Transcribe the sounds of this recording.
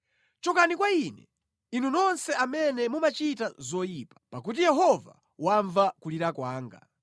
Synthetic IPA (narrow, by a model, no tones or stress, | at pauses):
t͡ʃɔkanikwainɛ | inunɔnsɛamɛnɛmumat͡ʃitazɔjiːpḁpak̬ut̬ijɛɦɔva̰ | waɱvakuliɾakwaːŋɡa̰